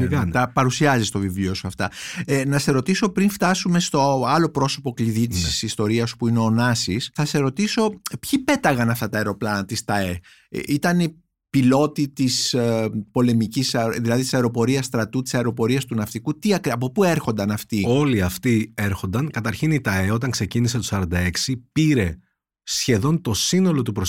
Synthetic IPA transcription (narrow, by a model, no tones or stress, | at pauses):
ɐnt̪ɐpɐɾusiɐzist̪o̞vivlio̞suɐft̪ɐ̰nɐse̞ɾo̞t̪iso̞pɾinft̪ɐsume̞st̪o̞ɐlo̞pɾo̞so̞po̞kliðit̪issist̪o̞ɾiɐsu̥puineonɐsisθɐse̞ɾo̞t̪iso̞pçipe̞t̪ɐɣɐnɐft̪ɐt̪ɐeɾo̞plɐnɐt̪ist̪ɐḛ | it̪ɐni | pilo̞t̪it̪ispo̞le̞micisɐðilɐðit̪i̥sɐeɾo̞po̞ɾiɐst̪ɾɐt̪ut̪i̥sɐeɾo̞po̞ɾiɐst̪unɐft̪ikut̪iɐkɐpo̞pue̞ɾxo̞nd̪ɐnɐft̪io̞liɐft̪ie̞ɾxo̞nd̪ɐŋkɐt̪ɐɾçinit̪ɐe̞o̞t̪ɐŋkse̞ciniset̪osɐɾɐnd̪ɐe̞ksipiɾe̞ | sçe̞ðo̞nt̪o̞sino̞lo̞t̪upɾo